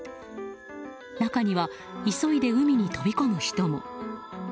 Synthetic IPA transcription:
nakaɲ̟iβa | iso̞id̪e̞ɯ̟mʲiɲ̟it̪o̞bʲiko̞mɯ̟çi̥t̪omo̰

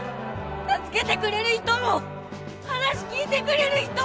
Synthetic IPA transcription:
t̪at͡sɨ̥ke̞t̪e̞kɯ̟ɾe̞ɾɯ̟çi̥t̪o̞mo̞ | hanaɕi̥kʲiːt̪e̞kɯ̟ɾe̞ɾɯ̟çi̥t̪o

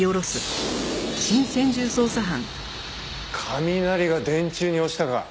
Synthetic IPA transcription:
oɾo̞sɨ | ɕĩɰ̃sẽ̞ɲ̟d͡ʑɨːso̞ːsaɦãŋ | kʰamʲinaɾʲiɡad̪ẽ̞ɲt͡ɕɨːɲ̟io̞ɕi̥t̪aɡa̰

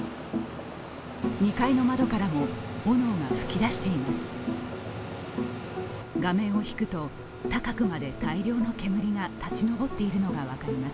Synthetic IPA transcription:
ɲ̟ikaino̞mad̪o̞kaɾamo̞bo̞no̞ːŋaɸɯ̟̥kʲid̪aɕi̥t̪e̞imasɨ̥ | ɡamẽ̞ɰ̃o̞çi̥kɯ̟t̪o̞ | t̪akakɯ̟mad̪e̞t̪aiɾʲo̞ːno̞ke̞mɯ̟ɾʲiŋat̪at͡ɕino̞bo̞t̪ːe̞iɾɯ̟no̞ɡaβ̞akaɾʲimas

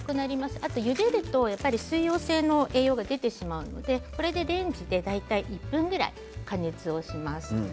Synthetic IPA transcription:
kɯ̟naɾʲimasɨ̥at̪o̞jɯ̟d̪e̞ɾɯ̟t̪o̞japːaɾʲisɨijo̞ːse̞ːno̞ʔe̞ːjo̞ːɡad̪e̞t̪e̞ɕimaɯ̟no̞̰d̪e̞ko̞ɾe̞d̪e̞d̪ẽ̞ɲ̟d͡ʑid̪e̞d̪ait̪aiʔipːɯ̟̃ŋɡɯ̟ɾa̰i | kane̞t͡sɨo̞ɕimasɨ̥

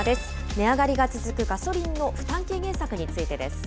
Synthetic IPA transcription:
d̪e̞sɨ̥ | ne̞aɡaɾʲiɡat͡sɨzɨkɯ̟ɡaso̞ɾʲĩnːo̞ɸɯ̟̥t̪ãŋke̞ːɡẽ̞ɰ̃sakɯ̟ɲ̟it͡sɨit̪e̞d̪e̞sɨ̥

